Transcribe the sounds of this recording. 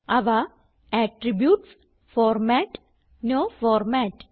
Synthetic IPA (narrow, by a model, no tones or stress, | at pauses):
aʋa | ɛʈɾibjuːʈs | fɔɾmɛʈ | nofɔɾmɛʈ